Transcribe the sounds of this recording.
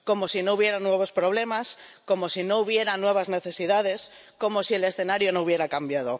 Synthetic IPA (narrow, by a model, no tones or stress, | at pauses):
ko̞mosinouβje̞ɾanwe̞β̞o̞spɾoβle̞mas | ko̞mosinouβ̞je̞ɾanwe̞β̞azne̞θe̞siðað̞e̞s | ko̞mosiele̞sθenaɾjonouβje̞ɾakambjað̞o